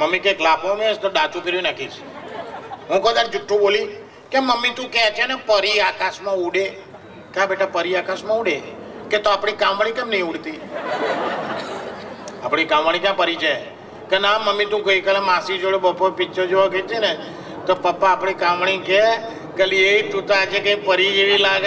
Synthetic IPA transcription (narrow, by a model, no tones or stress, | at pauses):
məmːikeklapõmẽst̪oɖat͡ʃũpiɾũnakiʃ | ɦũkəd̪aɾd͡ʒʊʈʰːũboli | keməmːit̪ũkɛt͡ʃʰenɛpəɾiakasmãuɽe | kãbeʈapəɾiakasmãuɽeket̪oapɽ̃ikãmʋaɽ̃ĩkɛmnəĩuɽt̪i | apɽ̃ikãmʋaɽ̃ĩkjãpəɾid͡ʒaj | kenaməmːit̪ũɡəikalẽmãsid͡ʒoɽebəpːopɪt͡ʃʰod͡ʒoʋaket͡ʃʰene | t̪opəpːaːpɽ̃ikãmʋɳ̃ĩke | kəlieitut̪aːt͡ʃʰekeipəɾieʋilaɡ